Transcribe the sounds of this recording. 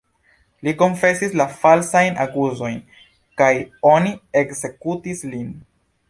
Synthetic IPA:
liko̞nfe̞sislafalsajnaɡuzo̞jn | kajo̞nie̞kze̞kutislin

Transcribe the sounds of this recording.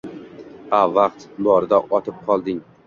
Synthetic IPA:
avɑq̚t̪bɒɾɪd̪aʔɒt̪ʰɪp̚qʰɒlˠd̪ɪŋ

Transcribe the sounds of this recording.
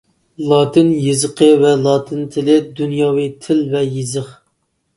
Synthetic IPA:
lˠɑːt̪ʰɨnjizɨqʰəvɛlˠɑːt̪ʰɨnt̪ʰɪlɪd̪unjɑːwɨt̪ʰɪlvɛjizəχ

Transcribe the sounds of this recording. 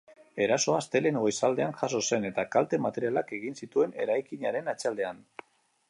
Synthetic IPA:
e̞ɾaso̞ast̪e̞le̞neɣo̞jsald̪e̞anʝaso̞se̞ne̞t̪akalt̪e̞mat̪e̞ɾialake̞ɣ̞insit̪ue̞ne̞̰ɾajkiɲaɾe̞nat͡sald̪e̞an

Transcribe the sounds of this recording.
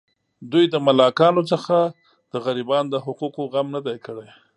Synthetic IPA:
d̪ujd̪əmalɑkɑnot͡səxa | d̪̥əɣaɾibɑnd̪əɦʊquqoɣamnəd̪ajkəɽaj

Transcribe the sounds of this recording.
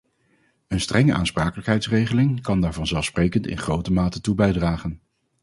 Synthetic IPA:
ənstrɛŋəʔa̰ːnspraːkələkɦɛjtsrejχəlɪŋkɑndaːɹvɑnzɛlˠfsprejkəntɪ̰nχrowtəmaːtətubɛjdraːχən

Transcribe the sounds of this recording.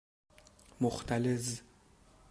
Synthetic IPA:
mʊχt̪ʰʼalɛz

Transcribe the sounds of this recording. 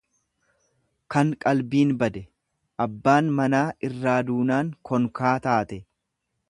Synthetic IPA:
kɐŋkʼɐlbiːnbɐd̪ɛ | ʔɐbːaːnmɐnaːɪrːaːd̪uːnaːŋkʰɔŋkaːt̪aːt̪ɛ

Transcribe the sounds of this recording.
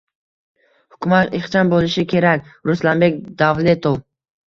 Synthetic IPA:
hʊkʲʰʊmat̪eχt͡ʃʰanbolɪʃɪkʲʰe̞ɾakʲɾʊslanbekʲd̪avle̞t̪ʰow

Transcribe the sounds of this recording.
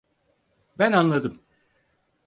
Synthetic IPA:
bænanlˠad̪ɯm

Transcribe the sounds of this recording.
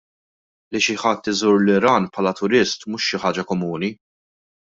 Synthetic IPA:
liʃɪħɐt̪ːɪzuːɾlɪɾɐːnpʰħɐːlɐt̪ʊɾɪst̪mʊːʃːɪħɐːd͡ʒɐkɔmuːni

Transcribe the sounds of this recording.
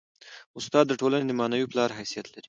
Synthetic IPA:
ʊst̪ɑd̪ːəʈolaned̪əmɑnawiplɑɾɦajsijat̪laɾi̥

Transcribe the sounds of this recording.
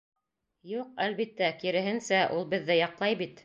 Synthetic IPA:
juqælβit̪ːækiɾɘ̆ɦɘ̆nsæʔulˠbɘ̆ðːɘjɑqlˠɑjbit̪

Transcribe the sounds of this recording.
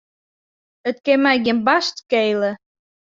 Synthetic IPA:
ə̆t̪̚kemæɣembɑʃt̪kejlə̆

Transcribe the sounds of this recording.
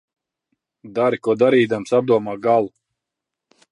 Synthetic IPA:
d̪aɾikuɔd̪aɾiːd̪amsab̚d̪uɔmaːɡalˠu

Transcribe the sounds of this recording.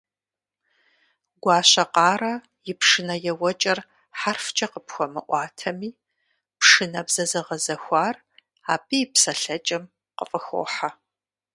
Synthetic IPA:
ɡʷɑːɕɐqɑːɾɐ | jɪpʂɨnɐjɛwɐt͡ʃʼɐr | ħarft͡ʃʼɐqəpxʷɔmɨʔʷɑːtʰɐmiː | pʂɨnɐbz̥ɐzɐʁɐzɐxʷɑːr | aːpʼipsɐɬɐt͡ʃʼɐm | qəfʼɨxʷo̰ːħa

